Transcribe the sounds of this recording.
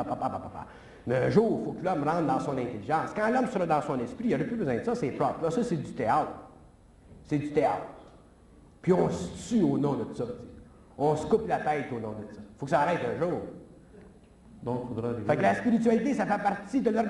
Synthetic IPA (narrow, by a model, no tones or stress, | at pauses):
apapapapapa̰ | mɛɛ̃ʒuːʁfokəlɔmʁɑ̃t̪̚d̪ãɑ̃sɔ̃nɛ̃t̪eliʒɑ̃skɑ̃lɔmsəɾd̪ɑ̃sɔ̃nɛspɾijəɾɛpybəzwɛ̃d̪əsʌsɛpɾɔplɔsʌsed͡z̪yt̪eat̪ʁ | sed͡zyt̪eɑt̪ʁ | pɥiɔ̃sə̥t͡syoːnɔ̃d̪ət̪u̥sɔt͡se̥ | ɔ̃sə̥kʊplat̪ɛɪt̪oːnɔ̃d̪ət̪sɔ̥fokə̥saːʁɛɪt̪œ̃ːʒuːʁ | d̪ɔ̃kfod̪ʁad̪fɛklaspiɾit̪ɥalit̪esafɛpaʁt̪id̪əlœ